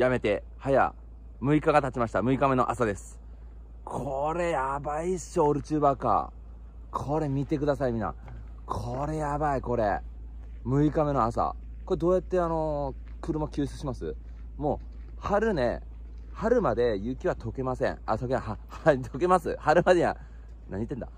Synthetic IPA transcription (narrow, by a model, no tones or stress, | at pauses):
jame̞t̪e̞ | haja̰ | mɯ̟ikaɡat̪at͡ɕimaɕi̥t̪amɯ̟ikame̞no̞̰ʔasad̪e̞sɨ̥ | kʰoɾe̞jabaiɕːoːɾɯ̟t͡ɕɨːbaka̰ | kʰo̞ɾe̞mʲit̪e̞k̬ɯ̟d̪asaimʲĩna̰ | kʰo̞ɾe̞jabaiko̞ɾe̞ | mɯ̟ikame̞no̞asa̰ | ko̞ɾe̞d̪o̞ːjat̪ːe̞ano̞ | kɯ̟ɾɯ̟makʲɨːɕt͡sɨ̥ɕimasɨ̰ | mo̞ː | haɾɯ̟ne̞̰ | haɾɯ̟mad̪e̞jɯ̟kʲiβat̪o̞ke̞masẽ̞̰ɴat̪okeaahat̪ʰo̞ke̞masɨhaɾɯ̟mad̪eia̰ | naɲ̟it̪ːe̞nd̪a̰